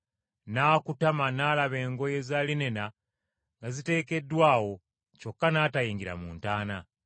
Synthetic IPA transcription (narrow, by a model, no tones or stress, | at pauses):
naːkutamanaːlaβe̞ːŋɡo̞je̞zaːline̞na | ŋɡazite̞ːke̞dːwaːwo̞ | t͡ʃo̞kːanaːtajiːŋɡiɾa̰mṵːntaːna